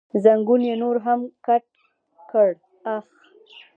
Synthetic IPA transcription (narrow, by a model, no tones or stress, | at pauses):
zaŋɡunjenoɾɦamkaʈ̚ | kəɽ | ax